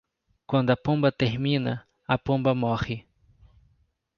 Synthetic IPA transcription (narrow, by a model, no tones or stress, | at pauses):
kwɐ̃nd̪ʊɐpõmbɐt̪ehmĩnɐ | ɐpõmbɐmoχɪ